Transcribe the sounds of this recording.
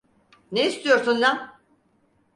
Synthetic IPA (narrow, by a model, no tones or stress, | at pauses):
neist̪ʰijo̞ɾsunla